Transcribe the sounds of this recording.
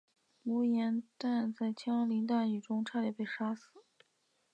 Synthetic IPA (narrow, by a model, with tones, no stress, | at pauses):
mu˧˥jɛ˧˥nt̪a˥˧nt͡sa˥˩ɪt͡ɕʰjɑ˥ɑ˧˥li˧˥nt̪a˥˩ny˨˩ʈ͡ʂʊ˥ŋʈ͡ʂʰa˥d̪jɛ˨˩pe˥˩ɪʂa˥sɹ̩˨˩˦